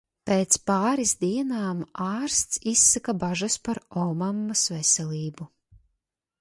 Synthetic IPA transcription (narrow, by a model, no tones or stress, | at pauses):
peːt̪spaːɾizd̪iɛnaːmaːɾst̪sisːakabaʒaspaɾɔmamːasvesɛlʲiːbu